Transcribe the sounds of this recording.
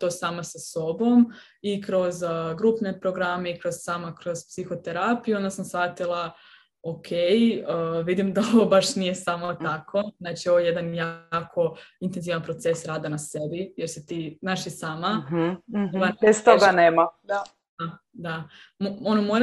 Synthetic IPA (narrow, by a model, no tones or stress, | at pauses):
t̪o̞ːsaːmasaso̞bo̞m | ikɾo̞zɡɾuːpne̞pɾo̞ɡɾameikɾo̞z̥saːmakɾo̞z̥psixo̞t̪e̞ɾapijuo̞nd̪asamsfat̪ilˠa | okʰejəʋid̪imd̪aoʋobaʃnije̞samot̪akʰo̞nat͡ʃio̞ʋoje̞d̪anjaːkʰo̞int̪enziʋanpɾo̞t̪se̞sɾaːd̪anasebijeɾsit̪iːnaːʃisaːma | oabest̪oɡaneːmad̪a | a | d̪a | moono̞moɾ